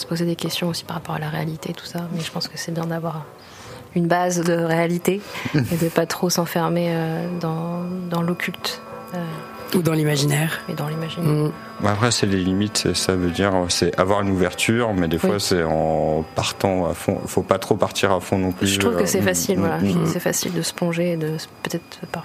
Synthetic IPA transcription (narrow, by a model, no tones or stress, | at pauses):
sə̥pozed̪ekʲɛst̪jɔ̃osi̥paʁːapɔʁalaʁealit̪et̪u̥samɛʒəpɑ̃skəsɛbjɛ̃d̪avwaʁ | ynbazd̪əʁealit̪eed̪əpat̪χosɑ̃fɛʁmeød̪ɑ̃d̪ɑ̃lokʲylt̪ | ø | ud̪ɑ̃limaʒinɛʁud̪ɑ̃limaʒinɛ | apχɛsɛlelimit̪sesavød̪iʁsɛʔavwaʁynuvɛʁt̪yːʁmɛd̪efwwasɛɑ̃paʁt̪ɑ̃a̰fɔ̰̃ḭfopat̪χopaʁt̪ʰiʁafɔ̃nɔ̃plyət̪χuvkəsɛfasilvwaaʒət̪χuvsɛfasḭld̪əsə̥pɔ̃ʒeːd̪əsə̥pøt̪ɛt̪χpa